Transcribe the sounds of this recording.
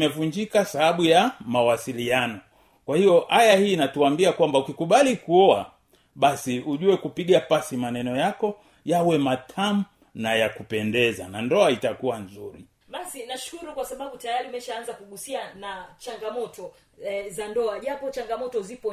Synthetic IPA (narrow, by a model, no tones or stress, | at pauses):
mɛvuɲd͡ʒikasahaɓujamawasilianɔ | kwahiɔʔajahiːnatuambiakwambaukikuɓalikuɔa̰ | ɓasiuʄuɛkupiɠapasimanɛnɔjakɔ | jawɛmatʰamu | najakupɛndɛza̰nandɔaitakuwanzuɾi | ɓasinaʃu̥kuɾukwasaɓaɓutajaɾiumɛʃaanzakuɠusianat͡ʃaŋɡamɔtɔ | zandɔaʄapɔt͡ʃaŋɡamɔtɔzipɔ